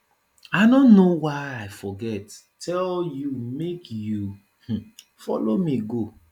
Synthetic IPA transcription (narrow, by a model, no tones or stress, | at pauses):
aɪdõnːowaɪaɪfɔɡɛtːʰ | ɛljumekju | h̩ | fɔ̰lomiɡo